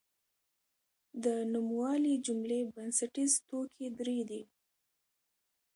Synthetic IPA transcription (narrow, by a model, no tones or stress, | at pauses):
d̪ənumwɑlid͡ʒʊmlebansaʈizt̪okʰed̪ɾed̪i